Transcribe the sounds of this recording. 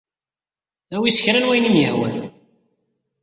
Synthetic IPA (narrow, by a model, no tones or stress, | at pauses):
æwisə̥çɾænwæjnimjəhwə̰n